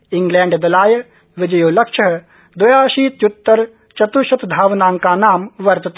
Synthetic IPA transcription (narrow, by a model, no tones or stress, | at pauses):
ɪŋɡlɛ̃ːɳɖd̪ɐlaːjɐ | ʋɪd͡ʒɐjoːlɐkʃɐɦɐ | d̪ɔjaːʃiːt̪jut̪ːɐɾ | t͡ʃɐt̪uʃɐt̪d̪ʱaːʋnaːŋkaːnaːmʋɐɾt̪ɐt̪ː